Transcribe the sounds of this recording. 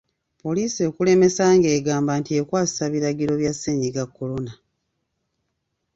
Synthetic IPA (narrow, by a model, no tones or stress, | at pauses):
po̞liːsio̞ːkule̞me̞saːŋɡe̞ːɡaːmbaːntie̞kwaːsi̥saβiɾaɡiɾo̞βjasːeːɲɟiɡakːo̞lo̞na